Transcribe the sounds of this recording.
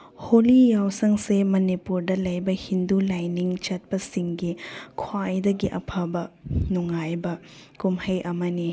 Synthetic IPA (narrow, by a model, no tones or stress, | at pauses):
holijawsɐŋsemɐnipuɾdɐlɐjbɐhindulajniŋt͡ʃɐt̚pɐsiŋɡikʰwajdɐɡiʔɐpʰabɐnuŋajbɐkumhɐjʔɐmɐni